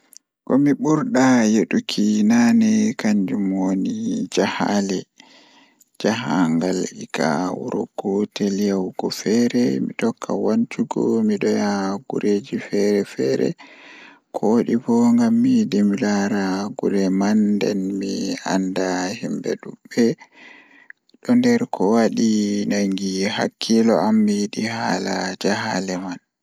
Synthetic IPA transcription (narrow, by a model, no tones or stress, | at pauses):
kɔmiɓuɾɗajeɗukʰinanɛkaɲd͡ʒumonid͡ʒahalɛ | d͡ʒahaŋɡalʔika̰wṵɾɔ̰ɡɔtɛljawɡɔfɛɾɛmitɔkʰːa̰want͡ʃuɡɔmiɗɔjaɡṵɾʔed͡ʒifɛɾɛfɛɾɛ̰ | kʰoɗibɔŋɡamːidimilaɾaɡuɾɛmandɛ̰nmia̰ndahimbɛ̰ɗuɓɛ | ɗɔndɛɾkʰɔwaɗinaŋɡiha̰kʰːilɔamːiɗihalad͡ʒahalɛman